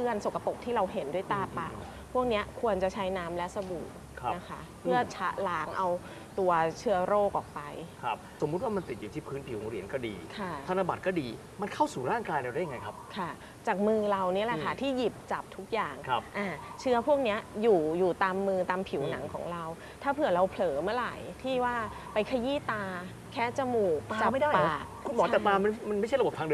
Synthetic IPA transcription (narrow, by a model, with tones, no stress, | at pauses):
ɯ˥˩ənso˨˩ka˧po˨˩k̚t̪ʰiː˥˩ɾa˧wɦe˩˦ndu˥˩əjt̪aː˧˩pa̰ː˨˩w | pʰu˥˩k̚ni˦˥ɐkʰu˧ənt͡ɕa˨˩t͡ɕʰa˦˥jnaː˦˥mlɛ˦˥sa˧buː˨˩t̚ʰna˦˥kʰa˦˥ | pʰɯ˥˩ɐt͡ɕʰa˦˥ʔlaː˦˥ŋʔa˧w | t̪u˧ɐt͡ɕʰɯ˦˥ɐɾoː˥˩k̚ʔɔː˨˩k̚pa˧jkʰa˦˥p̚so˩˦mu˦˥t̪̚waː˥˩ma˧nt̪i˨˩t̪̚juː˨˩iː˥˩pʰɯː˦˥npʰi˩˦wɾi˩˦nkɔː˥˩diː˧kʰa˥˩t̪ʰa˧na˧ba˨t̪̚kɔː˥˩diː˧ | ma˧nkʰa˥˩wsuː˨˩ɾaː˥˩ŋkaː˧jla˧da˥˩ja˨ŋa˧jkʰp̚kʰa˥˩ | t͡ɕaː˨˩k̚mɯː˧ɾa˧wni˦˥ɐlɛ˨˩kʰa˥˩t̪ʰiː˥˩ji˨˩p̚t͡ɕa˨˩p̚t̪ʰu˦˥k̚jaː˨˩ŋʰa˦˥p̚ʔaː˧˩t͡ɕʰɯ˦˥ɐpʰu˥˩k̚ni˦˥ɐjuː˨˩juː˨˩t̪aː˧mːɯː˧t̪aː˧mpʰi˩˦wna˩˦ŋkʰɔ̰ː˩˦ŋɾa˧w | t̪ʰaː˥˩pʰɯ˨˩ɐɾa˧wpʰlɤː˩˦mɯ˥˩ɐla̰˨˩jt̪ʰiː˥˩waː˥˩ | pa˧jkʰa˧jiː˥˩t̪aː˧ | kʰɛː˦˥t͡ɕa˧muː˨˩k̚t͡ɕa˨˩ma˥˩jdaː˥˩jaː˦˨˩k̚kʰu˧nmɔː˨˦ɛ˨˩t̪aː˧ma˧nma˧nma˥˩jt͡ɕʰɾbo˨˩p̚ʰːŋdɯ˧